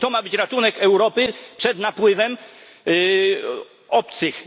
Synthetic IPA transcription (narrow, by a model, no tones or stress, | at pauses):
t̪ɔmabɘt͡ɕɾat̪unɛkɛwɾɔpɘpʂɛd̪napwɘvɛm | ɔpt̪sɘx